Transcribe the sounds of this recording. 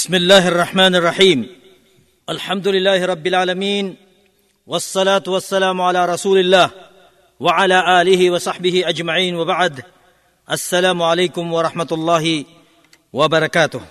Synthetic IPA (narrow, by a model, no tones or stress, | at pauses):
bɪsmɪlːaːhʔɑrˤːɑħmaːnɑrˤːɑħiːm | ʔalħamd̪ʊlɪlːaːhɪɾˤɑbːɪlʕaːlamiːn | wɑsˤːɑlaːt̪wɑsːalaːmʕalaːɾˤɑsuːlɪlːaːh | waʕalaːʔaːlɪhɪwɑsˤɑħbɪhɪʔad͡ʒmaʕiːnwabaʕd̪ | ʔasːalaːmʕalajkʊmwɑɾˤɑħmat̪ʊlˤːɑːhɪ | wabɑɾˤɑkaːt̪ʊh